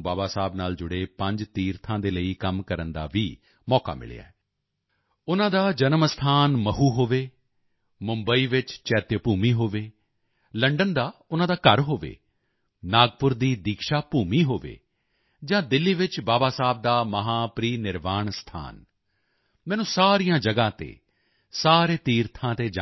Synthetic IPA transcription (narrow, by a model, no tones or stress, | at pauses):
baːbaːsaːbnaːld͡ʒʊɽeːpə̃ɲd͡ʒt̪iːɾt̪ʰãːd̪eːləiːkəmkəɾənd̪a̰ːʋiː | mɔːka̰ːmɪ̰lḛja̰ːɛː | ʊnãːd̪aːd͡ʒənəmst̪ʰaːnməɦuːɦoːʋeː | mʊmbəiːʋɪt͡ʃt͡ʃɛːt̪jəpuːmiːɦoːʋeː | ləɳɖənd̪aːʊnãːd̪aːkəɾɦoːʋḛː | naːɡpʊɾd̪iːd̪iːkʃaːpuːmiːɦoːʋḛː | d͡ʒãːd̪ɪlːiːʋɪt͡ʃbaːbaːsaːb̚d̪aːməɦaːpɾiːnɪɾʋaːɳst̪ʰa̰ːn | mɛ̃ːnũːsaːɾijãːd͡ʒəɡãːt̪ḛː | saːɾeːt̪iːɾt̪ʰãːt̪eːd͡ʒa